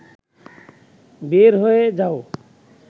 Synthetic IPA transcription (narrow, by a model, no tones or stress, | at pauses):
beɾɦoed͡ʒao